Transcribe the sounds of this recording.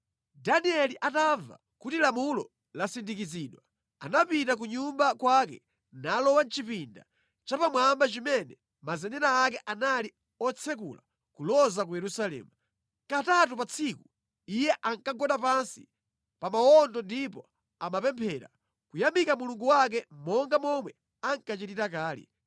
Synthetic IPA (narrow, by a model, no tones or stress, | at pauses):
daniɛliʔatava̰ | kutilamulɔ̰ | lasindikiziːɗwa | anapitak̬uɲumbakwakɛ̰ | nalɔwant͡ʃipinda̰ | t͡ʃapamwambat͡ʃimɛnɛ | mazɛnɛnaːk̬ɛʔanali | ɔt͡sʰɛk̬ṵla | kulɔzak̬ujɛɾusalɛ̰ːmu | katatupat͡sʰiku | ijɛʔaŋkaɡɔɗapansi | pamaɔndɔndipɔ | amapɛmpʰɛɾa̰ | kujamikamuluŋɡuwak̬ɛmɔŋɡamɔmwɛ | aŋkat͡ʃititakaːlḭ